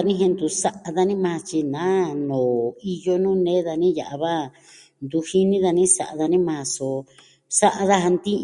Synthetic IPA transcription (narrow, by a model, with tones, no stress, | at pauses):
a˧nĩ˦ɦẽ˧nd̪u˧sa˦ʔa˧ða˧nĩ˦mã˧t͡ʃi˧nã˨˦nõː˨i˧jo˦nũ˦nẽ˦ða˧nĩ˦ja̰˨ʔa˧βa˦ | nd̪u˧hi˦nĩ˦ða˧nĩ˦sa˨ʔa˧ða˧nĩ˦mã˧so˧ | sa˦ʔa˧ða˦ɦa˧nd̪ĩ˦